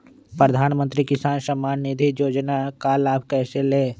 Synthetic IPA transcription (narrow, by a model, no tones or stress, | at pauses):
pɾəd̪ʱaːnmə̃nt̪ɾikɪsaːnsəmaːnnid̪ʱijoːd͡ʒnakaːlaːpkɛːseleː